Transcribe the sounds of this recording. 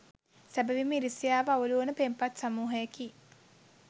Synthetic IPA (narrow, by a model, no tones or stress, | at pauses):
sæbəʋimiɾisijaːʋəauluənəpempat̪samuːɦəjeki